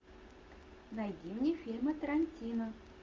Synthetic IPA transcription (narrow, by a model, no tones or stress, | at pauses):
najdʲimnʲefʲilʲmət̪əɾanʲtʲinə